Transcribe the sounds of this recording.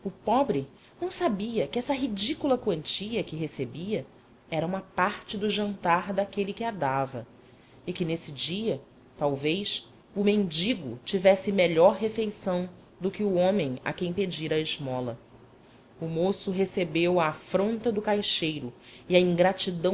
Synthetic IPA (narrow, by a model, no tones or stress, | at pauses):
ʊpɔbɾɪ | nɐ̃w̃sabiɐkɪɛsɐɦid͡ʒikulɐkwɐ̃nt͡ʃiɐkɪɦesebiɐ | ɛɾɐũmɐpaɾt͡ʃɪd̪ʊʒɐ̃nt̪aɾd̪akelikɪad̪avɐ | ɪkɪnesɪd͡ʒiɐ | t̪awvejʃ | ʊmẽnd͡ʒiɡʊ̰t͡ʃivɛsɪmeʎɔɾɦefejsɐ̃w̃ | d̪ʊkɪʊõmẽj̃a̰kẽj̃ped͡ʒiɾɐɪʒmɔlɐ | ʊmosʊɦesebewɐːfɾõnt̪ɐd̪ʊkajʃejɾʊiɐĩŋɡɾat͡ʃid̪ɐ̃